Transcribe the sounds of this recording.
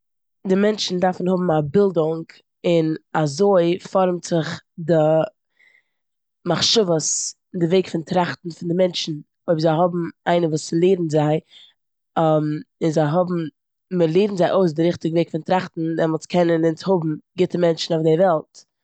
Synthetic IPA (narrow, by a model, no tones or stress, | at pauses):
dɪmɛnt͡ʃn̩daɾfn̩hʊbm̩abɪlˠdʊŋk | ɪnazoɪfɔɾmz̥ɪχdɪ | maχʃʊvəs | ɪndɪveɪkfɪntɾaχtn̩fɪndɪmɛnt͡ʃn̩ | oɪbzaɪɦʊbm̩aɪnəvuːslˠeːɾn̩zaɪ | amɪnzaɪɦʊbm̩ | məlˠeːɾn̩zaɪʔoɪs̬dɪɾɪχtɪɡəveɪkfɪntɾaχtn̩dɛmɔlˠskʰɛnənɪnt͡shʊbm̩ɡɪtəmɛnt͡ʃn̩aʊfdɪvɛlˠt